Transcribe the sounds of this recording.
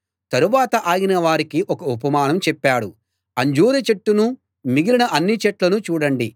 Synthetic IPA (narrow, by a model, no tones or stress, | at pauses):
t̪ɐɾuʋaːt̪ɐʔaːjinɐʋaːɾikiʔɔkɐupɐmaːnɐmt͡ʃɛpːaːɽu | ɐɲd͡ʒoːɾɐt͡ʃeʈːunu | miɡilinɐʔɐnːit͡ʃɛʈlɐnut͡ʃuːɽɐɳɖi